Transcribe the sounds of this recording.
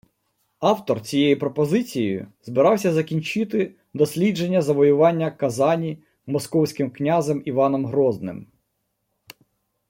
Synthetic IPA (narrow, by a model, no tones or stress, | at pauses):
ɑwt̪ɔrt͡sʲijejipɾɔpɔzɪt͡sʲijjjʊ̰zbɪɾɑwsʲɐzɐkʲinʲt͡ʃɪt̪ɪ | d̪ɔsʲlʲid͡ʒe̞nʲːɐzɐʋɔjʊʋɑnʲːɐkɐzɑnʲi | mɔskɔwsʲkɪmknʲazɛmiʋɑnɔmɦɾɔznɪ̰m